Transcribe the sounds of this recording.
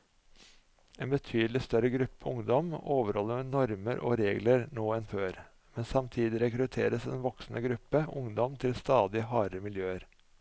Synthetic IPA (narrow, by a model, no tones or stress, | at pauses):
eːnbət̪ʰyːd̪l̩ɪst̪œɾəɡɾʉpːəʊŋd̪ɔmoːʋəɾhɔlːəmeːnɔɾməɾʔɔ̰ːɾeːɡləɾnoːɛnføːɾ | mɛnsɑmt̪ʰiːd̪ɪɾɛkɾʉt̪ʰḛːɾəsɛ̰nʋɔksn̩ʔə̰ɡɾʉpːəʊŋd̪ɔmt̪ʰɪlst̪ɑːd̪ɪhɑːɾəmɪljøːəɾ